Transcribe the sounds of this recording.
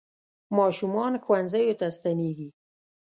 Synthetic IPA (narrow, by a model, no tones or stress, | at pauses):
mɑʃumɑnxwanzajot̪ast̪aneɡi